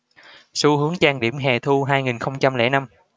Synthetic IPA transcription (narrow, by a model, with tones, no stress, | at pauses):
so˨˦hɨ˨˦əŋt͡ɕaː˧ŋɗḭ˧˩əmɦɛ˨˩t̪ʰu˧ɦaː˧jŋi˨˩nxə˧wŋ͡mt͡ɕa˧mlɛ̰˧˥na˧m